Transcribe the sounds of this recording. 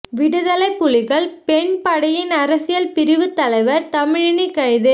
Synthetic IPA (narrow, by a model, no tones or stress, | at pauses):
ʋɪɽɯðɐlɐɪpːʊɭɪɣɐɭpɛɳpɐɽɐjɪnɐɾɐsɪjɐlpɪɾɪʋɯt̪ːɐlɐɪʋɐɾt̪ɐmɪɻɐɳikːɐjðɯ